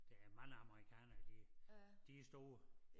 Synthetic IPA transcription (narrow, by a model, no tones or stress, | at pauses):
d̥eæmɑ̈ŋəɑ̈məʁikʰɛ̰ːnɐd̥id̥isd̥o̝ːɐ